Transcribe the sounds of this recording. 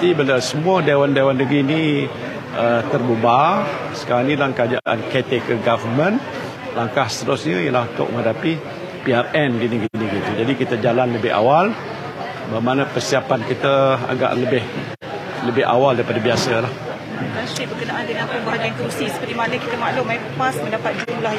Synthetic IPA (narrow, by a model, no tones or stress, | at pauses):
t̪ibəlasəmuədawandawandəɡɾini | ət̪ərbuba | sə̥kaɾaŋnilaŋkəad͡ʒaʔa̰nkɛt̪ekəɡavəmə̃n | laŋkahsə̥t̪əɾʊsɲəjəlahunt̪ʊ̰ʔ̚mə̃ŋadapi | piarɛnɡiniɡiniɡit̪ud͡ʒadikit̪əd͡ʒalanləbɪha̰wal | bəmanəpərsiapankit̪əa̰ɡa̰ʔləbɪh | ləbɪha̰waldaipadabiasəlah | kasibəkənaʔandəŋãnkubaɦadaŋkɾusisə̥pərt̪imanəkit̪əmaʔlʊmappasmə̃ndapat̪̚d͡ʒutula